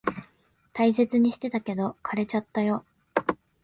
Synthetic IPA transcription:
t̪ais̬e̞t͡sɨɲ̟iɕi̥t̪e̞t̪ake̞d̪o̞kʰaɾe̞t͡ɕat̪ːajo̞

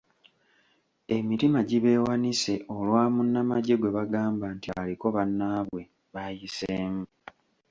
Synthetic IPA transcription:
e̞miɾimaɟiβe̞ːwanise̞ʔo̞lwaːmunːamaɟe̞ɡwe̞βaɡaːmbaːntialiko̞βanːaːβwe̞ | βajiseːmu

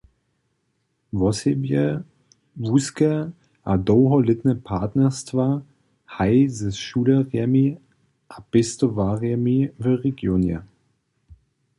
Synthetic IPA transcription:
vɔsjə | vuskə | ʔadoːɦɔlɪtnəpʰaɐtnəstv̥aː | haɪzɪsʃuːləʁɛmi | ʔab̥ɪstovaʁɛmivøʁeɡjoːnjə̰

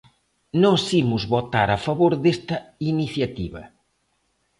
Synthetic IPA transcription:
nɔ̃simʊzβot̪aɾafɐβoɾðest̪ɐiniθjɐt̪iβɐ̰

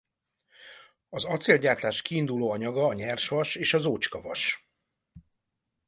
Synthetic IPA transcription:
ɒzɒt̪seːlɟaːrt̪aːʃkiːnd̪uloːɒɲɒɡɒːɲɛrʃʋɒʃeːʃɒzoːt͡ʃkɒvɒ̰ʃ

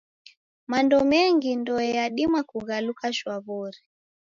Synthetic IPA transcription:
mandɔmɛŋɡindɔɛjaɗimwakuɣalukaʃwaβɔɾi

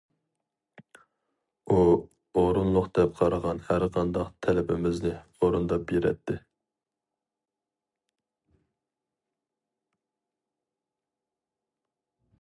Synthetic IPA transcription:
u | oɾunlˠʊqd̪̥ɛp̚qʰɑɾəʁɑnhæɾqʰɑnd̪ɑqt̪ʰɛlɪpʰɪmɪznɪoɾund̪ɑpbeɾɛ̰t̪ʰːɪ

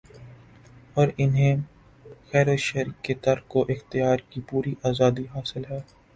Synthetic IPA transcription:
ɔːɾɪnɦẽ | xɛːɾəʃɛɾket̪ɐɾkoʔɪxt̪ɪjaːɾkipuːɾiʔaːzaːd̪iɦaːsɪlɦɛː

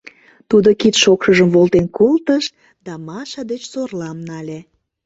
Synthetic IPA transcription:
t̪ud̪okit̪ʃokʃəʒəmβolˠt̪enkolt̪əʃ | d̪ɑmɑʃɑd̪et͡ɕsorlɑmnɑlʲe

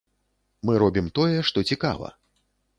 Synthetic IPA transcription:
mɨɾɔbʲimt̪ɔjɛʂt̪ɔt͡sʲika̰vɐ̰

